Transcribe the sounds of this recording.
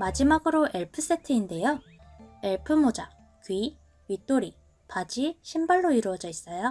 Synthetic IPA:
mad͡ʑimaɡɯɾoʔe̞ɭpʰɯs͈e̞tʰɯinde̞jo | e̞ɭpʰɯmod͡ʑa | kɥi | ɥit͈oɾi | pad͡ʑiɕʰimbaɭːoiɾuwʌd͡ʑʌis͈ʌjo

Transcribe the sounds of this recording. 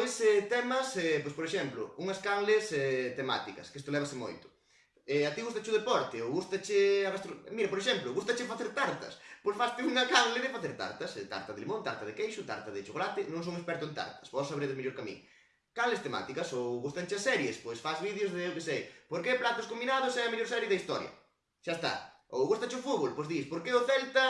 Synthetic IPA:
ojsɛt̪ɛmɐsɛpojspoɾeʃɛmplʊ̰uŋɐskanlɪsɛt̪ema̰t̪ikɐ̰skest̪ʊlɛβɐsɪmo̰jt̪ʊ̥ | ɛat̪iɣust̪ɐt͡ʃʊðepɔɾt̪ɪowɣust̪ɐt͡ʃɪaβast̪ɾomiɾɐpoɾeʃɛmplʊɣust̪ɐt͡ʃɪfaθeɾt̪aɾt̪ɐ̰spojsfast̪ɪuŋɐkaŋlɪðɪfaθeɾt̪a̰ɾt̪ɐst̪a̰ɾt̪ɐðelimõnt̪aɾt̪ɐðɪkejʃʊt̪a̰ɾt̪ɐðɪt͡ʃokolat̪ɪnõŋsõŋespɛɾt̪ʊent̪a̰ɾt̪ɐ̥sbɔsːaβeɾeðɪmeʎoɾkamḭ̃ŋ | kalɪst̪ema̰t̪ikɐsowɣust̪ɐnt͡ʃɪasːɛɾjespojsfazβiðjozðɪewkesejpoɾkeplat̪ʊskombinaðʊsɛɐmeʎoɾsɛɾjeðɐist̪ɔɾjɐ̰ | ʃaest̪a̰ | o̰wɣust̪ɐt͡ʃɪʊfuɣolpojzðispoɾkeoθɛlt̪ɐ

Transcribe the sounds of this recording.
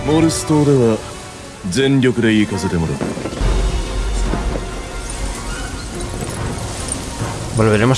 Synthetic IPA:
moɾɯsɨ̥t̪oːd̪e̞βa | zẽ̞nɾʲo̞kɯ̟d̪e̞iːkase̞t̪emoɾɯ | bo̞lβe̞ɾe̞mo

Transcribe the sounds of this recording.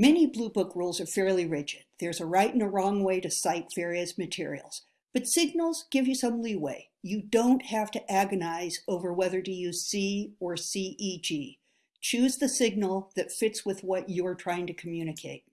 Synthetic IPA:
mɛniblubʊkɹulˠzə˞fɛɹliɹɪd͡ʒɨd̪̚ðə˞zəɹaɪɾɨ̃nɨɹɔ̃ŋweɪɾɨsaɪtv̥ɛɹiɨsmɨtʰɪ̰ɹḭl̩ˠz̥ | b̥ʌtsɪɡ̚nl̩ˠz̥ɡ̥ɪvjɨsʌ̃mliweɪ | jɨdõʊ̃ntʔ̚hæftɨʔæɡɨnaɪzoʊvə˞wɛðə˞dɨjɨsiə˞siʔid͡ʒi | t͡ʃʰʉzðɨsɪɡ̚nl̩ˠðɨtfɪtswɨðwʌt͡ʃɨə˞tʰɹ̥aɪɪ̃ŋtɨkʰəmjʉñɨkʰeɪt̚

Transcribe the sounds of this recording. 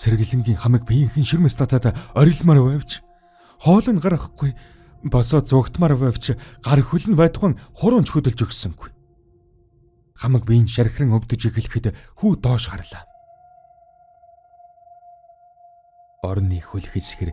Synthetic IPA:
sʰerɣ̆ɮɘ̆mɡʲiːŋχamə̆k̚pijɘ̆ŋxɘ̆nʃirmɘ̆st̪ʰat̪ʰaːt̪aːœɾʲɪ̆ɮmaɾwæːwt͡ɕʰ | χɔːɮɞ̆nɢaɾə̆χ̆ɡuj | pɔsɔːt̪̚t͡sʊːkt̪maːɾwæːw̥t͡ɕʰɢaɾxɵɮɘ̆npæːt̪̆χə̆ŋχʊɾʊːnt͡ɕxɵt̪ɵ̆ɮt͡ɕɵksɵ̆ŋɡuj | χamə̆k̚pij̆nʃæɾʲɪ̆xrɘ̆ŋɵwʲt̪ɵ̆t͡ɕixɘ̆ɮɘ̆xɘ̆t̪xuːt̪ɔːʃɢarɮaː | ɔɾɞ̆nːiːxɵɮ̆xĕt͡sxer

